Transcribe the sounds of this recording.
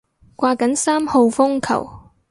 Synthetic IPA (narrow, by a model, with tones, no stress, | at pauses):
kʷaː˧kɐ˨˥nsaː˥mho˧wfʊ˥ŋkʰɐ̰˨˩w